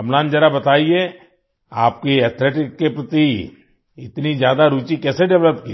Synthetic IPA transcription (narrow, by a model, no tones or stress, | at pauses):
ɐmlãːnd͡ʒɐɾabɐt̪aːie | aːp̚kiɛːt̪ʰleːʈɪkːepɾɐt̪i | ɪt̪nizjaːd̪aɾuːt͡ʃikɛːseɖɛʋləpki